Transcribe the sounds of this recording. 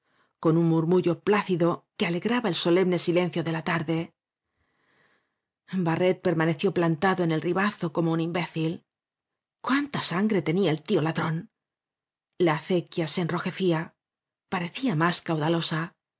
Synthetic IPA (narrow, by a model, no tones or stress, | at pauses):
ko̞nunmuɾmuʝo̞plaθiðo̞ke̞ale̞ɣɾaβae̞lso̞le̞mne̞sile̞n̟θjo̞ðe̞lat̪aɾðe̞ | bare̞t̪̚pe̞ɾmane̞θjo̞plant̪aðoene̞lriβaθo̞ko̞mounimbe̞θil | kwant̪asaŋɡɾe̞t̪e̞niae̞lt̪io̞laðɾo̞n | laːθe̞kjasenro̞xe̞θia | paɾe̞θiamaskawðalo̞sa